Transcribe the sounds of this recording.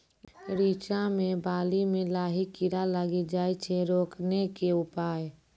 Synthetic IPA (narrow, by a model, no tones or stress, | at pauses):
ɾiːt͡ʃamẽbaːlimẽlaːɦikɪɾalaɡid͡ʒaːit͡ʃʰeɾoːknekeʊpaːe